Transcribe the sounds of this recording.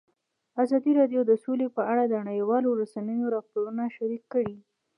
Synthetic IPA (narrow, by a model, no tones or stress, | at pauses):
azɑd̪iɾɑɖjod̪əsolepəaɽad̪ənaɽəjwɑloɾasanəjoɾɑpoɾunaʃaɾikːəɽi